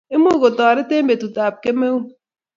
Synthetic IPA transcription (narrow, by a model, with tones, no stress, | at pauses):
e˦mo˦˨ko˨tɔ˨ɾe˦te˦m˦be˨tu˨ta˨p̚ke˦me˦u˦